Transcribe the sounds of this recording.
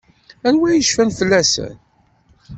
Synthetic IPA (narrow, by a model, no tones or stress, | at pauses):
ænwæjəʃfænfəlːæsə̰n